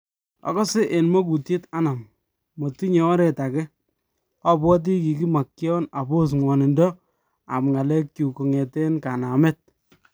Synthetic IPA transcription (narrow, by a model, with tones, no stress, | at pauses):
ɔ̰˨kɔ˦sɪ˦ʔe˨nmɔ˦ku˨tje˦ta˦na˨mː | o˨ti˦ɲɔ˨˦ɾɛ˨ta˨kɛ˦ | a˦bwɔ˦t̬i˦ki˨ki˦ma˨kːjɔ˦na˨bo˦s̬ŋwɔ˨nɪ˨ndɔ˦ | a̰˨mŋa˨lɛ˦k̚t͡ʃu˨ko˨ŋɛ˨te˦nka˨na˨mɛ˦t̚